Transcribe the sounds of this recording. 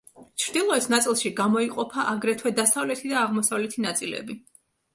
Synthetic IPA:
t͡ʃʰɾd̪ilˠɔɛsnat̪sʼilˠʃiɡamɔiqʼɔpʰaʔaɡɾɛt̪ʰwɛd̪asavlɛt̪ʰid̪aːʁmɔsavlɛt̪ʰinat̪sʼilɛ̰bi

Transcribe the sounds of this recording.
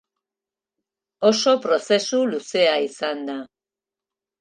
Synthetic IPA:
o̞so̞pɾo̞se̞suluse̞aisand̪a

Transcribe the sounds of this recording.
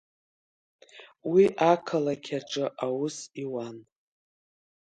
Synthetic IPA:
wiʔakʰalakʲʰaʈ͡ʂʼɨʔawʊsiwan

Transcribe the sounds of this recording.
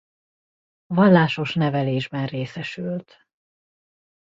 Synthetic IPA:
vɒlːaːʃo̞ʃnɛvɛleːʒbɛnreːsɛʃylt̪

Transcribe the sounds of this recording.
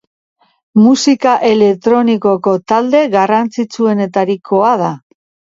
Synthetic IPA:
musikaʔe̞le̞k̚t̪ɾo̞niko̞ko̞t̪ald̪e̞ɣarant͡sit͡sue̞ne̞t̪aɾikʰo̞að̞a

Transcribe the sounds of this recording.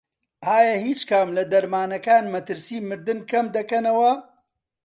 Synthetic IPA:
aːjɐhiːt͡ʃkʰamlɐd̪ɐɾmaːnɐkaːnmɐt̪ɨɾsiːmɨɾd̪ɨnkɐmd̪ɐkɐnɐwɐ

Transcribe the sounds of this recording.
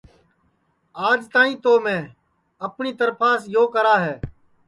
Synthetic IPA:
aːd͡ʒt̪ãːĩːt̪oːmẽː | əpɳiːt̪əɾpʰaːsjoːkəɾaːɦɛː

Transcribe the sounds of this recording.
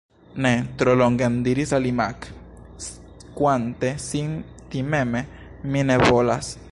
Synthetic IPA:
net̪ɾoloŋɡend̪iɾisalimak | kʷant̪esin | t̪imeme | mineβolas

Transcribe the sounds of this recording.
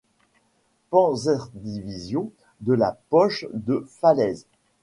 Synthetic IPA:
pɑ̃zɛʁd̪ivizjɔ̃ | d̪əla̰pɔʃd̪əfalɛz

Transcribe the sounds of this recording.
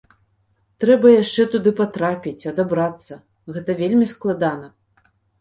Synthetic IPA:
t̪ɾɛbɐjaʂt͡ʂɛt̪ud̪ɨpat̪ɾapʲit͡sʲɐd̪abɾat̪sːɐ | ɣɛt̪ɐvʲelʲmʲisklˠad̪anɐ

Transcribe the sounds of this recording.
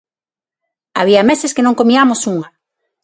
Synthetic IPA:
a̰β̞iɐmesɪskenõŋkomiamosuŋɐ

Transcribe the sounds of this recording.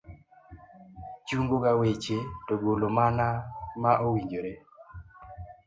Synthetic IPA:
t͡ʃuŋɡoɡawet͡ʃetoɡolomanamaʔowiɲd͡ʒoɾe

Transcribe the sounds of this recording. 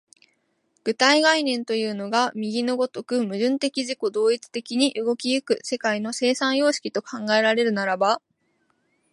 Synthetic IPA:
ɡ̥ɯ̟t̪aiɡainẽ̞nt̪o̞jɯ̟ːno̞ɡamʲiɡʲinoɡo̞t̪o̞kɯ̟mɯ̟ʑɨ̃nt̪e̞kʲiʑiko̞d̪o̞ːit͡sɨ̥t̪e̞kʲiɲ̟iʔɯ̟ɡo̞kʲijɯ̟kɯ̟se̞kaino̞se̞ːsãɰ̃jo̞ːɕi̥kʲit̪o̞kʰãŋɡae̞ɾaɾe̞ɾɯ̟naɾaba

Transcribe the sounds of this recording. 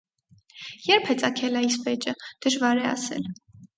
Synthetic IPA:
jɛɾpʰhɛt͡sʼɑkʰɛlɑisvɛt͡ʃəd̪̥əʒvɑɾɛɑ̰sɛ̰l

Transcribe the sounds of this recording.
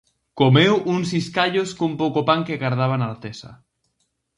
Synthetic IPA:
komewʔuŋsiskaʎoskompowkopaŋkeɣaɾðaβ̞anaɾt̪esa̰

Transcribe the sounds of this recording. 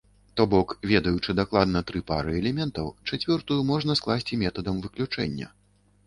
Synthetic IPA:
t̪ɔbɔkvʲɛd̪ɐjut͡ʂɨd̪aklˠad̪nɐt̪ɾɨpa̰ɾɨɛlʲɛmʲɛnt̪ɐwt͡ʂat͡sʲvʲɔrt̪ujumɔʐnɐsklˠasʲt͡sʲimʲɛt̪ɐd̪ɐmvɨklʲut͡ʂɛ̰nʲːɐ̰

